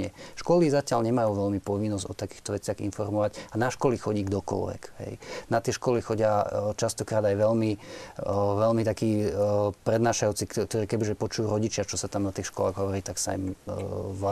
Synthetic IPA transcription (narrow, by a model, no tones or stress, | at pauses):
ɛʃkɔlizacɪalɲɛmajuːʋɛlmipɔʋinːɔzɔ̰t̪aki̥ːxt̪ɔʋɛt͡sɪaɣḭnfɔɾmɔʋaɟanaʃkɔlixɔɟiːɡd̪ɔkɔ̰lʋɛ̰kɦɛ̰jnat̪ɪɛʃkɔlixɔɟɪat͡ʃast̪ɔkɾaːd̪ajʋɛlmi | ʋɛlmit̪akiːpɾɛd̪naːʃajut͡sikt̪ɔɾiːkɛbiʒɛpɔt͡ʃujuːɾɔɟit͡ʃɪat͡ʃɔsat̪amnat̪iːxʃkɔlaːɣɦɔʋɔɾiːt̪aksa̰ḭm | a